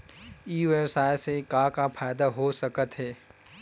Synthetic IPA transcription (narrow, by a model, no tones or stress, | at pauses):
iːesaːjsekakapʰaːjd̪aɦosɐkət̪ɦɛː